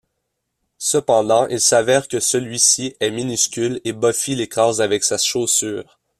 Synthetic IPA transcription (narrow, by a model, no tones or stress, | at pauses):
səpɑ̃d̪ɑ̃ʔilsavɛːʁkʲəsəlɥisiɛminyskʲylebɔfilekʁɑːzavɛksaʃosyːʁ